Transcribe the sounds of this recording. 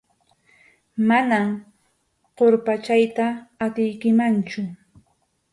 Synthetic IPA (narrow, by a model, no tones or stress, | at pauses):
manam | qoɾpat͡ʃajt̪aːt̪ɪjkɪmant͡ʃʊ